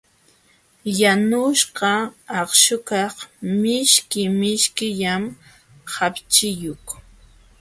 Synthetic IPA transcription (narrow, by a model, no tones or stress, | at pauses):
janʊʃqɑːχʃʊkɑχmɪʃkɪmɪʃkɪʎam | hapt͡ʃɪjʊk